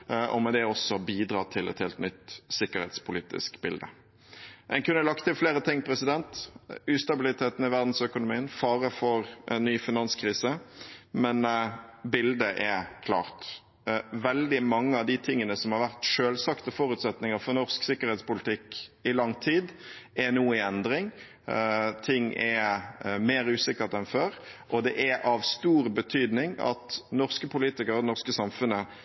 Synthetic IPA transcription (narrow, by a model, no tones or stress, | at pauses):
ʔɔ̰mɛd̪ɛɔsːɔbiːd̪ɾɑːt̪ʰɪlɛ̰t̪heːlt̪nʏt̪sɪkːəɾhɛ̰t̪spʰʊliːt̪ɪ̰skbɪld̪ə̰ | ʔɛnkʉnːəlɑkt̪ʰɪlfleːɾət̪ʰɪŋːpʰɾɛsɪd̪ɛnt̪ʉːst̪ɑbɪlɪt̪ʰeːt̪ən̩ɪʋæʁd̪n̩sœkʊnʊmiːənfɑːɾəfɔɾɛnːyːfɪnɑnskʰɾiːsəmɛnbɪld̪əʔɛɾkʰlɑ̰ːʁt̪ | ʋɛld̪ɪmɑŋːəɑʋd̪ɪt̪ʰɪŋːənəsɔmhɑɾʋæʁt̪ʂøːlsɑkt̪əfɔɾʉt̪sɛt̪nɪŋəɾfɔʁnɔʁsksɪkːəɾhɛt̪spʊlɪt̪ʰɪkːɪlɑŋt̪ʰiːd̪ɛnuːəɪɛnd̪ɾɪŋ | t̪ʰɪŋːɛ | meːɾʉːsɪkəɾt̪ɛnføːɾʔɔd̪ɛʔɛɑʋst̪uːɾbət̪ʰyːd̪nɪŋɑ̰t̪nɔʁskəpʰʊliːt̪ɪkəɾɔd̪ɛnɔʁskəsɑmfʉnə